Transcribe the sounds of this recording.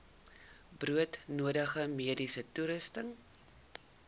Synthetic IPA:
bruətnuədəχəmiədisətuɾəstəŋ

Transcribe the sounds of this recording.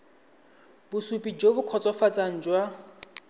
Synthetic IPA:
bʊsupʼid͡ʒobʊkʰɔt͡sʼɔfat͡sʼaŋ̩d͡ʒwa

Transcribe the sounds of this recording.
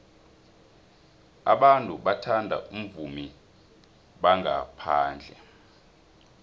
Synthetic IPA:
a̰ɓantʼuɓatʰandʱa̰ʔum̩vumi | ɓaŋɡa̰pʰaːnd͡ɮʱɛ

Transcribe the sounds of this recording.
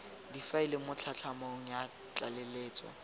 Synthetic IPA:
difailemʊt͡ɬʰat͡ɬʰamoŋ̩ja | t͡ɬʼaleleːt͡sʼɔ̰

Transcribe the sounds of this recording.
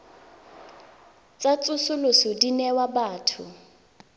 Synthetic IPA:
t͡sʼat͡sʼʊsʊlʊsʊdinɛwabaːtʰʊ

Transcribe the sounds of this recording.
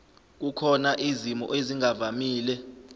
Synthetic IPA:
k̬ukʰɔnaʔizimɔ̰ʔeziŋavamiːlɛ

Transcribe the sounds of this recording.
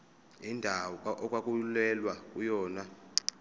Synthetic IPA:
indʱawɔʔɔkʼwakʼulɛlwakʼujɔːna

